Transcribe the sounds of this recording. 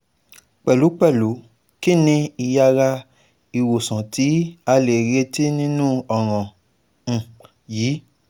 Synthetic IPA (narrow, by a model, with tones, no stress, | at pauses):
k͡pɛ˨lu˨˦k͡pɛ˦˨lu˨˦ | ki˦˨nĩ˧i˧ja˧ɾa˦˧ | i˨wo˨sã˨ti˨˦a˧le˨ɾe˧ti˦nĩ˦nũ˦ɔ˦˨ɾ̃ã˨ | jiː˨˦